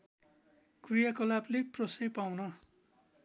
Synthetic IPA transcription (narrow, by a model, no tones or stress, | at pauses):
krijakʌlableprʌsʌjpawnʌ